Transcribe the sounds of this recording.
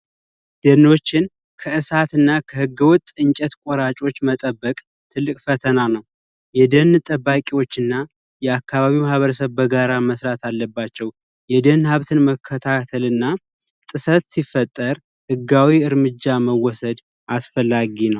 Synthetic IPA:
d̪̥əno̞t͡ʃːɪn | kʰəɨsat̪ɨnːakʰəhɨɡːɨwʊt̪ʼɨɲt͡ʃʼɛt̪kʼoɾat͡ʃʼo̞t͡ʃːmət̪ʼəbːəkʼ | t̪ʰɨlːɨkʼfət̪ʰənanəw | jɛd̪ənt̪ʼəbːakʼiwot͡ʃːɨnːa | jɛakːaβaβimahβəɾəsəβbəɡaɾaməsɾat̪ʰalːəbːat͡ʃːɛw | jɛd̪ənhaβt̪ʰɨnməkʰːət̪ʰat̪ʰəlɨnːa | t̪ʼɨsət̪sifət̪ʼːəɾ | hɨɡawiɨɾmɨd͡ʒːaməwɔsəd̪ | ʔasfəlːaɡinəw

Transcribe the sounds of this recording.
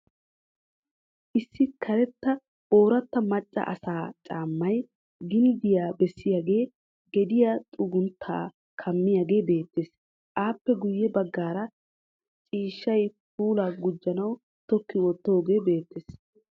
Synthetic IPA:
ʔɪsːɪkʰɐɾɛt̪ːɐ | ʔo̞ːɾɐt̪ːɐmɐt͡ʃʼːɐ̰ʔɐ̰saːt͡ʃʼaːmːɐj | ɡɪnd̪ɪjaːbɛsːɪjaːɡe̞ː | ɡɛd̪ɪjat̪ʼʊɡʊnt̪ʰːa̰ː | kʰɐmːɪjaɡe̞ːbe̞ːt̪ːeːs | ʔaːpːɛɡʊjːɛbɐɡːaːɾɐ | t͡ʃʼiːʃːɐjp̚uːlaːɡʊd͡ʒːɐnɐw | t̪ɔkːɪwɔt̪ːoːɡe̞ːbe̞ːt̪ːeːs

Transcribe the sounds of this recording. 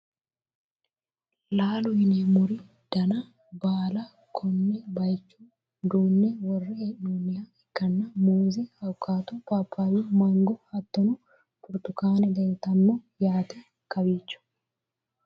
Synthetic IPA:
laːlʊhɪnemʊɾɪ | d̪̥ɐnɐ | baːlɐ | kʰɔnːɛbɐjt͡ʃːuː | d̪uːnːɛwɔrːɛhɛʔnonːɪjaːɛkːɐnːɐmuːzɛhɐwkʰːaːt̪upaːpʰːaːwiːmɐŋɡɔhɐt̪ːɔnʊ | pʊɾt̪ʊkaːnɛd̪ɛjt̪ɐnːoːjaːt̪ɛ | kɐbiːt͡ʃːʊ̥

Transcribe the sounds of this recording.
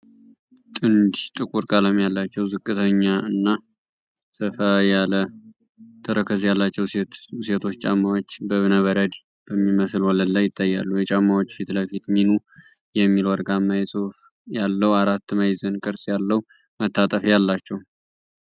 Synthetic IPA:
t̪ʼɨnd̪t̪ʼɨkʼuɾkʼaləmjalːat͡ʃːɛwzɨkʼːɨt̪ʰəɲːaɨnːa | sɨfajalə | t̪ʰəɾəkʰəzjalːat͡ʃːɛwset̪ʰo̞t͡ʃːt͡ʃʼamːawot͡ʃːbəβɨnəβəɾəd̪ | b̥əmːiməslwɔləlːajːɪt̪ʼːajːa̰lːujɛt͡ʃʼamːawot͡ʃːfit̪ləfit̪minu | jɛmːilwaɾɡamːajɛsʼɨf | jalːəwaɾat̪ːmajzənkʼɨɾsʼjalːəwu | mət̪ʰːat̪ʼəfjalːat͡ʃːɛw

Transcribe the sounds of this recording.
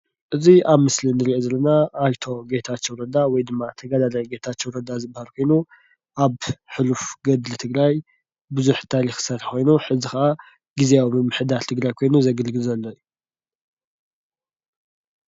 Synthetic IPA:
ʔɨziʔaβmɨslinɨɾiʔo̞zɐlːɐnaːjt̪ʰo̞ɡe̞t̪ʰat͡ʃːowɾɐd̪awɔjd̪ɨmːat̪ʰɐɡɐd̪alɐjɡet̪ʰat͡ʃːowɾɐd̪azɨbahalkʷʰo̞jnu | ʔaβħɨlufɡɐd̪lɨt̪ʰɨɡɾaj | bɨzuħt̪ʰaɾixsɐt̪ħxʰo̞jnuħɨzixɐʔa | ɡ̥izeamɨmːɨħɨd̪aɾt̪ʰɨɡɾajkʰo̞jnuzɐɡɨlɡɨlzɐlːoju

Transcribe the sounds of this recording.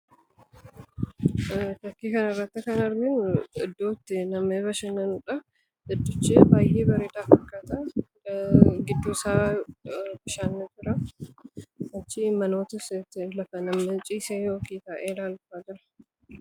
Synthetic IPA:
t̪ɐkːiːkɐnɐɪrːɐt̪ːɪkɐnɐɾɡɪnɪd̪ːoːt̪ːɪnɐmeːbɐʃɐnːɐnʊᶑɐ | ʔɪd̪ːʊt͡ʃːeːbaːjeːbɐɾeːt̪aːfɐkːaːt̪a | ɡɪd̪ːuːsaː | bɪʃaːnːet̪ɪɾɐ | ʔɐt͡ʃːɪmɐnoːt̪ɪst̪ːɪlɐfɐnɐmɐt͡ʃʼiːseːjoːkiːt̪aːʔeːlaːlfaːd͡ʒɪɾɐ̥

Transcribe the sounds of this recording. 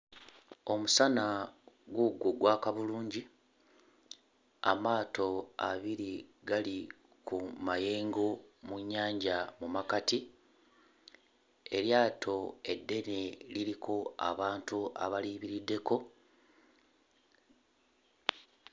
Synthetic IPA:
o̞musana | ɡwoɡːoɡwaːkaβuluːɲɟi | a̰maːto̞a̰βiɾiɡali | kumaje̞ːŋɡo̞muɲːaːɲɟamumakati | e̞ɾjaːtʰo̞e̞dːe̞neliɾikʰo̞a̰βaːntua̰βaliːβiɾidːe̞ko̞

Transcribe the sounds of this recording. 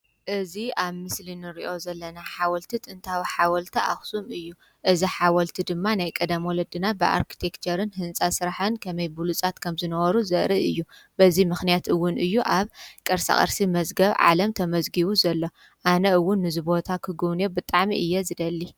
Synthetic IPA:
ʔɨziʔaβmɨslinɨɾiʔo̞zɐlːɐnaħawɐlt̪ʰit̪ʼɨnt̪ʰawiħawɐlt̪ʰɐʔa̰xsumɨjːu | ʔɨziħawɐlt̪ʰid̪ɨmːanajkʼɐd̪ɐmwɔlɐd̪ɨnabɨʔa̰ɾkʰi̥t̪ʰekt͡ʃʰɐɾɨnhɨnt͡sʼasɨɾaħɐnkʰɐmɐjbulut͡sʼat̪kʰɐmzɨnɐβɐɾuzɐʔɾiʔɨjːub̥ɐzimɨxnijat̪ɨwːʊnʔɨjːuʔaβkʼɐɾsɐ̰χʼɐ̰ɾsimɐzɡɐβʕa̰lɐmt̪ʰɐmɐzɡiβuzɐlːo̞ | ʔanɐɨwːʊnːɨzɨbo̞t̪ʰakʰɨɡuβnebɨt̪ʼaʕmiʔɨjːɛzɨd̪ɐlːi

